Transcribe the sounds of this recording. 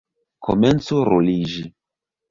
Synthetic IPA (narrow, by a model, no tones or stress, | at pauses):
kʰo̰ment͡soɾolid͡ʒi